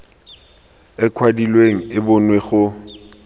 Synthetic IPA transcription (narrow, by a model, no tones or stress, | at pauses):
ɛkʰwadilweŋ̩ɪbʊnweχʊ